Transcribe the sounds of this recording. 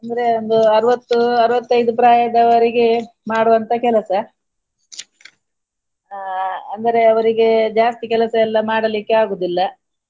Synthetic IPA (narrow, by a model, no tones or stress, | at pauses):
ɐnd̪ɐɾe̞ond̪uɐɾuʋɐt̪ːuɐɾuʋɐt̪ːɐjd̪upɾaːjɐd̪ɐʋɐɾiɡe | maːɽuʋɐnt̪ɐkɛlɐsɐ | ɐnd̪ɐɾe̞ɐʋɐɾiɡe̞d͡ʒaːst̪ikɛlɐsɐɛlːɐmaːɽɐlikːeaːɡuːd̪ilːɐ